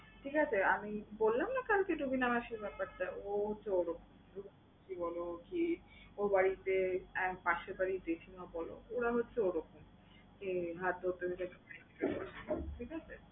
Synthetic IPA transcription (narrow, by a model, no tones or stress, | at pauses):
ʈʰikat͡ɕʰeamibolːamnakalkeɖubinamaʃeɾbɛpaɾʈaoɦotːɕʰeoɾɔkomɾuk | kibɔlokiobaɽit̪eɛkpaʃepaɾid̪ekʰinabɔlo̰oɽaɦotːɕʰeoɾɔkom | keɦat̪̚d̪oot̪ːeɦoit͡ɕakepaɾekit̪oɾa̰ʃaʈʰikat͡ɕʰe